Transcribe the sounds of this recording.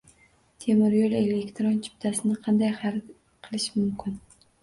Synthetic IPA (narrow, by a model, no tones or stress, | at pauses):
t̪ʰemɪɾjole̞lekʲt̪ɾont͡ʃʰɪ̥p̚t̪ʰasɪnɪqʰɑnd̪ajhɑɾ | qʰɨlˠɪʃmʊmkʲʰɪn